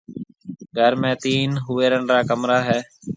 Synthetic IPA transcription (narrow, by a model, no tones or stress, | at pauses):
ɡʱəɾmẽːt̪iːnɦʊʋeːɾəɳɾaːkəmɾaːɦɛː